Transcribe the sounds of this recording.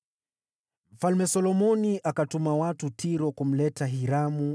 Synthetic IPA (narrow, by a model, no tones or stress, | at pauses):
m̩falmɛsɔlɔmɔniʔakatumawatutʰiɾɔkum̩lɛtaɦiɾamu